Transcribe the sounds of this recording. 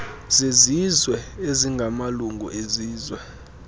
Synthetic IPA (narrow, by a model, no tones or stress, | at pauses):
z̥ezizwɛeziŋɡʱamaluŋɡʱṵʔeziːzwɛ